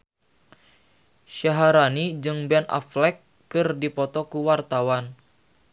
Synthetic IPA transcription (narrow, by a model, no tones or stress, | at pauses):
ʃaɦaɾanid͡ʒɨŋbɛnʔa̰flɛkː | ɨrdipɔt̪ɔkuwart̪awan